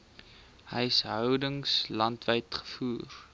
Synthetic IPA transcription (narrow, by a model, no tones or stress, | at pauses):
həjsɦœwdəŋslɐntvəjtχə̥fuːr